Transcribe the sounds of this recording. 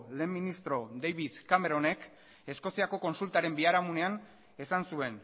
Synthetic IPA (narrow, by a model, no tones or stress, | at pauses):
le̞ːmːinist̪ɾo̞d̪ejβiðkame̞ɾo̞ne̞k | e̞sko̞siako̞ko̞nsult̪aɾe̞mbiaɾamune̞an | e̞sansue̞n